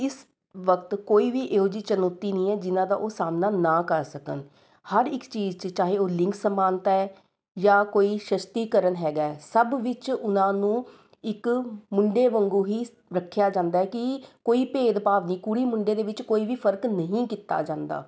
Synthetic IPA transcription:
ɪs | ʋəkt̪koːiːʋiːʔeːoːd͡ʒiːt͡ʃənoːt̪ːiːnĩːɛːd͡ʒɪnãːd̪a̰ːʔoːsaːmnaːnaːkəɾsəkə̰n | həɾɪkt͡ʃiːd͡ʒt͡ʃt͡ʃaːɦeːoːlɪ̃ŋksəmaːnt̪ːɛː | jaːkoːiːʃəst̪iːkəɾənɦɛːɡaːɛːsəbʋɪt͡ʃʊnãːnũː | ɪkmʊɳɖeːʋəŋɡuːɦiː | ɾəkʰːjaːd͡ʒãːnd̪aːɛːkɪkoːiːpeːd̪paːʋniːkuɽiːmʊɳɖeːd̪eːʋɪt͡ʃkoːiːʋiːpʰəɾknəɦĩːkiːt̪ːa̰ːd͡ʒãːnd̪a̰ː

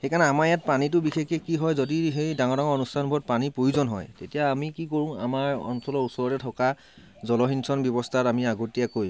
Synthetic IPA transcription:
xejkʰaɹnɛamaɹjat̚panit̬ʊbixʰekɛkiɦɔjzodiɦejdaŋɔdaŋɔɹɔnustʰanbʱɔt̚panipɹojuzɔnɦɔ̰jtetijaːmikikoɹʊ̃a̰maɹɔ̰nsɔlɔɹusɔɹɔtɛtʰɔka | zɔlɔɦinsɔnbjɔbɔstʰatamiaɡotijakoj

